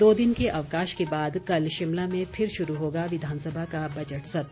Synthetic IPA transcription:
d̪oːd̪ɪnkeʔɐʋkaːʃkebaːd̪kɐlʃɪmlamẽpʰɪɾʃʊɾuɦoːɡaʋɪd̪ʱaːnsəbʱakabɐd͡ʒəʈsɐt̪

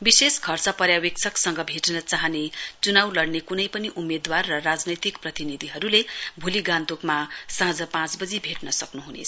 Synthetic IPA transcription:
biseskʰʌrt͡sʌpʌɾjawek̚t͡sʰʌksʌŋɡʌbʱeʈnʌt͡saɦʌnet͡sunawlʌɽnekunʌjpʌniʔumed̪warːʌrad͡znʌjt̪ikprʌt̪inid̪ʱiɦʌɾulebʱuliɡãnd̪ukmasãɦd͡zʌpãt͡sbʌd͡zibʱeʈnʌsʌknuɦunḛt͡sʰ

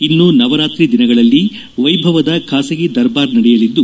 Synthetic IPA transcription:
inːunɐʋɐɾaːt̪ɾid̪inɐɡɐɭɐlːi | ʋɐjbʱɐʋɐd̪ɐkʰaːsɐɡid̪ɐɾbaːɾnɐɽɛjɐlid̪ːu

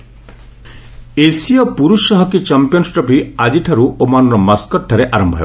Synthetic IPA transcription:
esiɔpuɾusɔɦɔkit͡ʃampijɔnsʈɾɔpiad͡ʒiʈʰaɾuomanɔɾɔmaskɔʈʰːaɾeʔaɾɔmbʱɔɦḛ

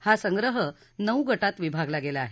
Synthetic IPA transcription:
hasəŋɡɾəɦə | nəwɡəʈat̪ʋibʱaɡlaɡelaaɦe

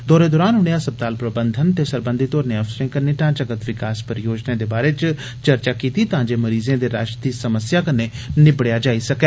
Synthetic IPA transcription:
d̪ɔːɾeːd̪oːɾaːnɦʊɽ̃ejaːsəb̚t̪aːlpɾəbənd̪ʱənt̪eːsəɾbə̃nd̪ʱit̪oːɾnẽəfsəɾẽːkəneːʈãːd͡ʒəɡət̪ʋɪkaːspəɾjoːd͡ʒnẽːd̪eːbaːɾet͡ʃ | t͡ʃəɾt͡ʃaːkiːt̪it̪ɐɦãːɲd͡ʒeːməɾiːzẽːd̪eːɾaːʃt̪iːsəməsjaːkənːe | nɪbɽejaːd͡ʒaːisɐkɛː

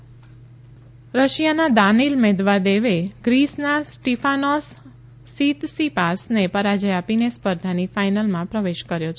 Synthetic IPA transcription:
ɾəʃjanad̪anilmed̪ʋad̪eʋeɡ̥ɾisnasʈifʰanɔsː | it̪sipasnepəɾad͡ʒəjapinespəɾd̪ʱanifaijnalmãpɾəʋeʃkəɾjot͡ʃʰ

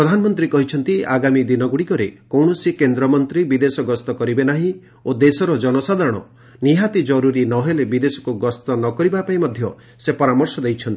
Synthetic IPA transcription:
pɾɔd̪ʱanɔmɔnt̪ɾikɔɦit͡ʃʰɔnt̪iaɡamid̪inɔɡuɽikɔɾekɔwɳɔsikend̪ɾɔmɔnt̪ɾibid̪esɔɡɔst̪ɔkɔɾibenaɦĩ | od̪esɔɾɔd͡ʒɔnɔsad̪ʱaɾɔɽ̃ɔ̰ | niɦat̪id͡ʒɔɾuɾinɔɦelebid̪esɔ̥kuɡɔst̪ɔnɔkɔɾibapaĩmɔd̪ʱjɔ | sepɔɾamɔɾsɔd̪ejt͡ʃʰɔnt̪i

